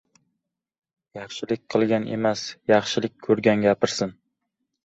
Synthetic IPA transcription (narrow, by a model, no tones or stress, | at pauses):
jɑχʃɪlɪk̚ʲqʰɨlˠɡʲanʔe̞̰masjɑχʃɪlɪk̚ʲkʰːɵɾɡʲanɡʲapɪɾsɪn